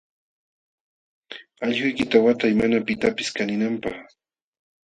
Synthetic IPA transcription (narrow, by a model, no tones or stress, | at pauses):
aʎhʊjkɪt̪awat̪ajmanapɪt̪apɪskanɪnampaχ